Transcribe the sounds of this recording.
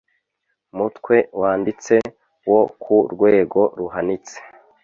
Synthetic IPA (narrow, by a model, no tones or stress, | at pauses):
mutkwe̞waːndit͡se̞ | wo̞kʰuɾɡwe̞ːɡo̞ɾuɦanit͡se̥